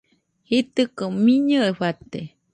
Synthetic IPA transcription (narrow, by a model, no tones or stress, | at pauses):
hit̪ɨkəmiɲəeɸat̪e